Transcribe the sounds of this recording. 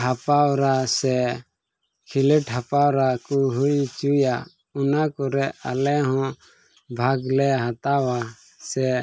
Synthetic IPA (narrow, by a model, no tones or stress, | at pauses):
ɦapawɾasɛ | kʰilɛʈɦapawɾakuɦujt͡ʃuja | unakɔɾɛa̰lɛɦɔ̃ | bʱaɡlɛɦat̪awa | sɛ